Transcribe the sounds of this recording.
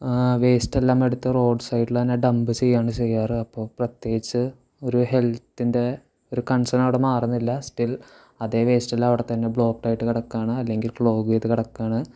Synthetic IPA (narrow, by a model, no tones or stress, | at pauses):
ʋeːsʈelːaːmeɽut̪ːɐro̞ːɖsɐjʈːilt̪ɐnːeɖɐmbɨt͡ɕejːaːɳɨt͡ɕe̞jːaːrɨɐpːo̞ːprɐt̪je̞ːɡit͡ɕːɨ | o̞ɾuhe̞lt̪ːinde̞ | o̞ɾukɐɳsɐnɐʋiɽemaːrunːilːɐsʈil | ɐðe̞ːʋe̞ːsʈelːaːmɐʋiɽet̪ːɐnːe̞bɭo̞ːkʈaːjiʈːɨkiɽɐkːaːɳɨɐlːe̞ŋɡilfɭo̞ːɣujɐðɨkiɽɐkːaːɳɨ